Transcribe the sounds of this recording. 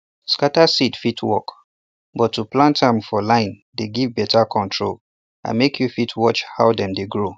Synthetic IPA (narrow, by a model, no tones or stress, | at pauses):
skatasitfitʰwɔ̰k | bɔtːuplãntãmfɔlãɪ̃n | deɡivbɛtakʰɔ̃ntʰɹol | ã̰nmekʰjufitʰwɔt͡ʃhaʊdɛ̃mdeɡɹo